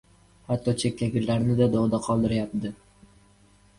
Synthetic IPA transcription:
hat̪ʰːɒt͡ʃʰek̚ʲlʲaɡʲɪɾlaɾnɪd̪ad̪oʁd̪aqʰɒlˠd̪ɪɾajap̚d̪ɪ

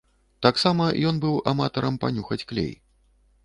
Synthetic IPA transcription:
t̪aksamɐjɔnbɨwa̰mat̪ɐɾɐmpanʲuxɐt͡sʲklʲḛj

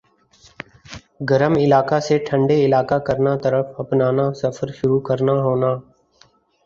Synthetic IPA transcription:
ɡəɾəmɪlaːkaseʈʰə̃ɳɖeɪlaːkakəɾnat̪əɾəfɐpnaːnasəfʰəɾʃʊɾukəɾnaɦoːnaː

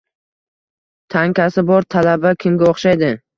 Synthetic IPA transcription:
t̪ʰaŋkʲasɪbɒɾt̪ʰalabakʲʰɪmɡʲaoχʃajd̪ɪ

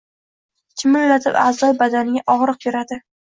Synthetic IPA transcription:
t͡ʃʰʲɪmɪllat̪ʰɪ̰pazɒjbad̪anɪɡʲaʔɒʁɾɨqjoɾad̪ɪ

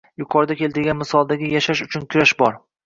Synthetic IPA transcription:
jʊqʰɒɾd̪akʲʰe̞lˠt̪ɪɾɡʲanmɪsɒlˠd̪aɡʲɪjaʃaʃʊt͡ʃʰʊnkʲʰʊɾaʃbɒɾ

